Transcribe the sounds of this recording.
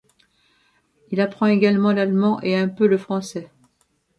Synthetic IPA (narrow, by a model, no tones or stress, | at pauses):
ilapχɑ̃eɡalmɑ̃lalmɑ̃ʔeɛ̃pøləfχɑ̃sɛ